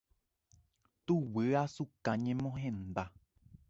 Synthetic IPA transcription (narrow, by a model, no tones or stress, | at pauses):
t̪uwɨasukãɲẽmõɦẽnd̪a